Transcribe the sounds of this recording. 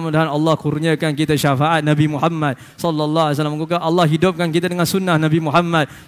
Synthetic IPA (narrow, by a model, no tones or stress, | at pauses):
mudaɦanɑlːɑhkurɲəkankit̪aʃafaʔat̪̚nabimuħamːat̪̚ | sɔlːɔlːɑɦas̬alaməŋkukaʔɑlːɑhɦidʊp̚kankit̪adəŋansunːahnabimuɦamːad̪̚